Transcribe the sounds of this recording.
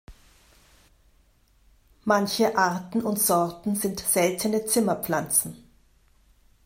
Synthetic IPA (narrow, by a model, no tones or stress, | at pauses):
mançəʔaɐtn̩ʊntz̥ɔɐtn̩zɪntz̥ɛltʰənət͡sɪmɐpflant͡sn̩